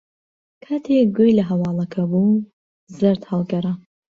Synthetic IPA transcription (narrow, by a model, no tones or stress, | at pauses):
kʰaːt̪ʰekɡujlɐɦɐwɑːlˠɐkʰɐbu | zɨɾt̪hɑlˠɡɐɾa